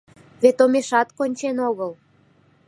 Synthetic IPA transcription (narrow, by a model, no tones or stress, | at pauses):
βet̪omeʃɑt̪konʲt͡ɕenoɣəl